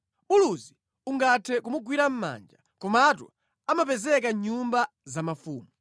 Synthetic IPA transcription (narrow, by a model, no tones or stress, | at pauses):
ɓuluzi | uŋɡatʰɛkumuɡwiɾam̩ma̰nd͡ʒa | kɔmatṵ | amapɛzɛkaɲumba | zamafuːmu